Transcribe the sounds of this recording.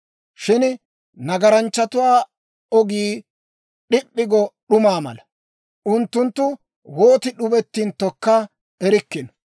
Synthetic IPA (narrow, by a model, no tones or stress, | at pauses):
ʃɪn | nɐɡɐɾɐnt͡ʃːɐt̪ʊwaː | ɔɡiː | ɗɪpʼːɪɡɔɗʊmaːmɐ̰lɐ | ʔʊnt̪ːʊnt̪ːʊ | woːt̪ɪɗʊbɛt̪ːint̪ːɔkːɐ | ɛɾɪkːɪnɔ̥